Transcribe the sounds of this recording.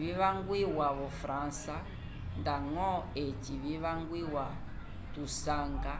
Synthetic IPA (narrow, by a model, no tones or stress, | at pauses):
βiβaŋɡwiwaβɔfɾansa | ndaŋɔet͡ʃiβiβaŋɡwiwa | tusaːŋɡa